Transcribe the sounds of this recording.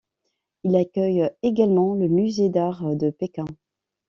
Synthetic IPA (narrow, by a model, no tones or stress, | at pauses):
ilakʲœjeɡalmɑ̃ləmyzed̪aʁd̪əpekʲɛ̃